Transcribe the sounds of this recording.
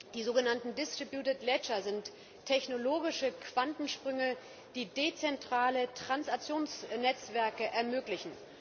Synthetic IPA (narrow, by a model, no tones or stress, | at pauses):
d̥iːzoːɡənantn̩dɪstʁ̥ibjuːtətlɛt͡ʃɐzɪntʰː | ɛçnoloːɡɪʃəkv̥antn̩ʃpʁ̥ʏŋə | d̥iːdet͡sɛntʁ̥aːlətʁ̥ansak̚t͡sjoːnsnɛt͡sv̥ɛɐkəʔɛɐmøːklɪçn̩